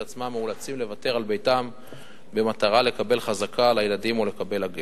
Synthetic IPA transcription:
at͡smamːeulat͡simle̞vate̞ʁalbe̞jtam | be̞mat̪aʁale̞kabe̞lχazakʰalajeladimo̞le̞kabe̞laɡe

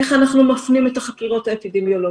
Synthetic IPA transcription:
eχanaχnumafnimet̪aχakiʁo̞taepidemjolo

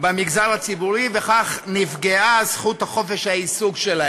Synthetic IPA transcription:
bemiɡzaʁat͡sibuʁiveχaχnifɡeaz̥χuthaχo̞fe̞ʃhaisuɡʃela

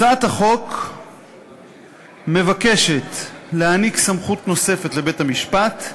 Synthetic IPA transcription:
t͡saat̪haχo̞k | me̞vake̞ʃe̞tlehaniksamχutno̞sefe̞tle̞be̞thamiʃpat

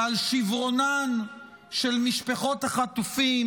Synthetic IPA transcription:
alʃivʁo̞nan | ʃelmiʃpaχo̞taχat̪ufim

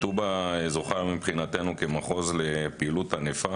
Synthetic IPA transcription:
t̪ubazoχaʁmipχinat̪enukemaχo̞zle̞piiluthanefa

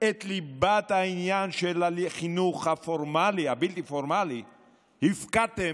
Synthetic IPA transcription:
et̪libat̪hainjanʃelaiχinuχhafoɾmaliabilt̪ifoɾmali | hifkat̪e

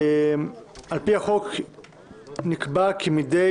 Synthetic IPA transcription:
ʔalpiaχok | nikbakʰimide

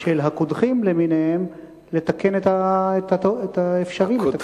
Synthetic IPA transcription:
ʃelɦakod̪χimleminehem | le̞t̪ake̞net̪aet̪aoet̪aefʃaʁime

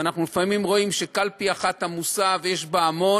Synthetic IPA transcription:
anaχnulifamimʁo̞imʃe̞kalpiaχat̪hamusavjeʃbaːmo̞

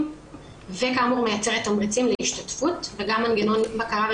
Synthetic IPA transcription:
vekaːmuʁmejat͡seʁet̪amʁit͡simleiʃtatfutveɡamːanɡeno̞nbakaʁav

